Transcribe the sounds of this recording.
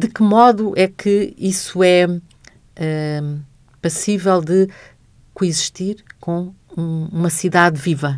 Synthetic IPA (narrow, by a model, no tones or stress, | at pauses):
d̪ɨkɨmɔðuʔɛkʰɨisuɛ | ɛ | pɐsivɛlˠd̪ɨ | kuiziʃt̪iɾkõ | ũumɐsiðaðvivɐ